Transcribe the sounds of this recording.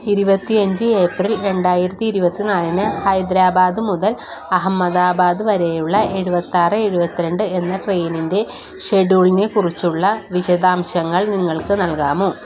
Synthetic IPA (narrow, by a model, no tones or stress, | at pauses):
iɾubɐt̪ːiɐɲd͡ʑɨe̞ːprilɾe̞ɳɖaːjiɾɐt̪ːiːɾubɐt̪ːinaːlinɨhɐjd̪ɾaːbaːd̪ɨmuðɐl | ɐɦɐmːɐðaːbaːd̪ɨʋɐɾejuɭːɐʔe̞ɻubɐt̪ːaːrɨe̞ɻubɐt̪ːiɾeɳɖɨe̞nːɐʈrejninde̞ | ʂe̞ɖuːɭinekurit͡ɕːuɭːɐʋiɕɐðaːmɕɐŋːɐɭniŋːɐɭkɨnɐlkaːmoː